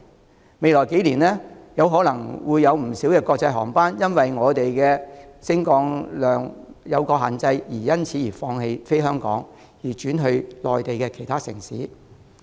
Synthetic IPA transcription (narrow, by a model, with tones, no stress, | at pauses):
me˨˧jlɔː˨˩jke˨˥jliː˨˩nlɛː˥jɐ˨˧wɦɔː˨˥lɐ˨˩ŋwuː˨˧jːɐ˨˧wm̩˨˩siː˨˥wkɛː˧kɔː˧k̚t͡sɐ˧jɦɔ̰ː˨˩ŋpaː˥njɐ˥nwɐ˨jŋɔː˨˧t̪e˨jkɛː˧sɪ˥ŋkɔː˧ŋlœː˨˩ŋjɐ˨˧wkɔː˧ɦaː˨nt͡sɐ˧jjiː˨˩jɐ˥nt͡sʰiː˨˧˥jiː˨˩fɔː˧ŋhe˧jfe˥jɦœː˥ŋkɔ̰ː˨˥ŋ | jiː˨˩t͡ʃyː˨˥nɦɵ˧ɥlɔː˨jt̪e˨jkɛː˧kʰe˨˩jt̪ʰaː˥sɪ̰˨˩ŋsḭː˨˥